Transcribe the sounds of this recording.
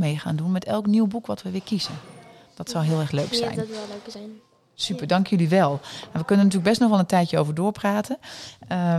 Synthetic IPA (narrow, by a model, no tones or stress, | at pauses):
mejxa̰ːndunmɛtʰɛlˠkniwbukʋɔtʋəʋɪːkizən | d̥ɔtsɔwɦɪːlˠɛrxløːksɛ̰jn | sypəɹdɑŋkəjyliʋɛlˠaʋəkønəntyːlək̚bɛstnɔχʋɛlˠəntɛjtjəoːwvəɹdʊːɹpraːtʰənə